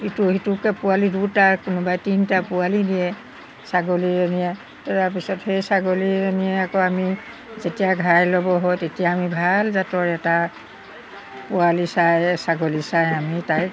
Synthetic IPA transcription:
ituhitukɛpʊalidutaɹkʊnʊbajtintapʊalidijɛ | saɡoliɹenijɛ | tɛtap̬isɔthejsaɡolieniɛakɔami | zetijaɡʱajlɔbɔɦɔjtetijaːmibʱalzatɔɹɛta | pʊalisajsaɡolisajamitaj

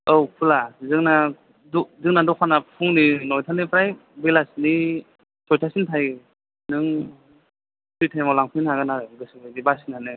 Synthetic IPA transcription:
owpʰulazɯŋna | dɔzɯŋnadɔkʰanapʰuŋninɔjtʰanɯpɾaj | belasni | sɔjtʰasintʰaj | nɯŋ | titʰajmawlaŋpʰɯnaɡɯnaɾɯɡɯsbajdibasinanɯ

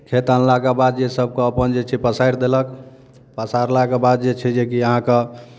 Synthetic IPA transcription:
kʰet̪anlakebad̪̚d͡ʒesəb̚keəpənd͡ʒet͡ʃʰɛpəsajɾd̪elək | pəsaɾlakebad̪̚d͡ʒet͡ʃʰɛd͡ʒekiəɦãke

